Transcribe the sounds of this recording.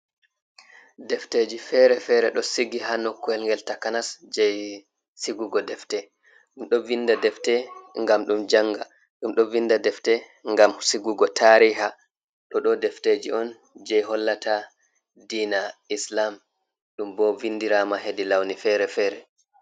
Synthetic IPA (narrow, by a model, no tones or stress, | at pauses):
dɛfted͡ʒifɛɾɛfɛɾɛɗɔsiɡiɦanɔkːɔɛlŋɡɛltakanasd͡ʒɛj | siɡuɡɔdɛftɛ | ɗumɗɔvindadɛftɛŋɡamɗumd͡ʒaŋɡa | ɗumɗɔvindadɛftɛ | ŋɡamsiɡuɡɔtʰaɾiɦa | ɗɔɗɔdɛfted͡ʒiɔn | d͡ʒɛjɦɔlːata | diːnaislam | ɗumbɔvindiɾamaɦedilawnifɛɾɛfɛɾɛ